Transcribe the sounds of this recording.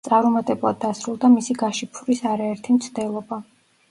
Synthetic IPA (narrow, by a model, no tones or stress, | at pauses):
t̪sʼaɾumat̪ʼɛblˠad̪̚ːasɾulˠd̪amisiɡaʃipʰuɾisaɾaɛɾt̪ʰimt̪sʰd̪ɛlˠɔba